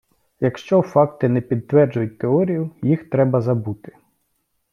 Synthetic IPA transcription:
jɐkʃt͡ʃɔfɑk̚t̪ɪnɛpʲid̪̚t̪ʋɛrd͡ʒʊjʊt̚ʲt̪eɔɾʲijʊjixt̪ɾɛbɐzɐbut̪ɪ̥

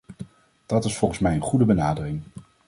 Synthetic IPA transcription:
d̥ɑtɪsfɔlˠχənsmɛjənχudəbənaːdərɪŋ

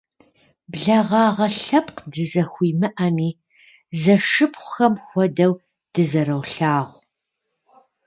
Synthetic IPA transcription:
bɮɐʁɑːʁɐɬɐp̚ʼqdɨzɐxʷiːmɨʔɐmiː | zɐʂɨpχʷʊxɐmxʷɔdɐw | d̥ɨzɐɾɐwɬaːʁʷ

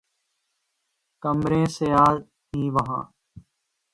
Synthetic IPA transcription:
kəmɾẽːsejaːl | ɦĩːʋəɦã̰ː

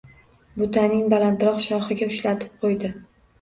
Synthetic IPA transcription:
bʊt̪ʰanɪŋbalant̪ɾɒqʃɒχɨɡʲaʊʃlat̪ʰɪ̥p̚qʰojd̪ɪ

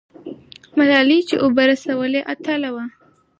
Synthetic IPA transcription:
malɑlit͡ʃḛʔobaɾasawəleʔat̪ʰalawa

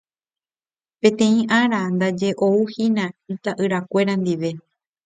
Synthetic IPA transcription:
pẽ̞t̪ẽ̞ĩʔaɾand̪ad͡ʒe̞ʔo̞uhĩnãit̪aʔɨɾakʷe̞ɾand̪iʋe̞

